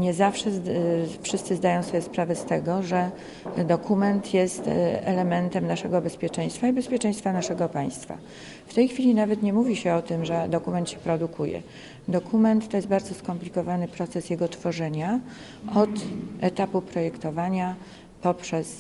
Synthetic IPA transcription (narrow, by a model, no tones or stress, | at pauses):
ɲɛzafʂɛfʂɘst̪sɘzd̪ajɔ̃w̃svɔbjɛspɾavɛst̪ɛɡɔʐɛ | d̪ɔkʰumɛnt̪jɛst̪ɛ̰lɛmɛnt̪ɛmnaʂɛɡɔbɛspʲjɛt͡ʂɛj̃st̪faibɛspʲjɛt͡ʂɛ̃j̃st̪fanaʂɛɡɔpaj̃st̪fa̰ | ft̪ɛjxfʲilʲinavɛt̪ɲɛmuvʲiɕɛɔt̪ɘmʐɛd̪ɔkumɛnt̪ɕɛpɾɔd̪ukʰujɛ̰ | d̪ɔkʰumɛnt̪ːɔjɛst̪̚baɾd̪zɔskɔmplʲikɔvanɘpɾɔt̪sɛsjɛɡɔt̪fɔʐɛɲa | ɔt̪ʔɛt̪apupɾɔjɛkt̪ɔvaɲa | pɔpʂɛs